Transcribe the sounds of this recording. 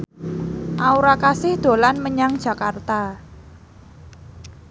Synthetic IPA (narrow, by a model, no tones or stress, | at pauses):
ʔauɾakasɪhd̪̥o̤lanməɲaŋd̥ʒ̥ä̤kart̪a